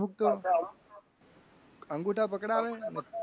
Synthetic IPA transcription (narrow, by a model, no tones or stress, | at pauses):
uk̚t̪o | əŋɡuʈʰapəkɽaʋene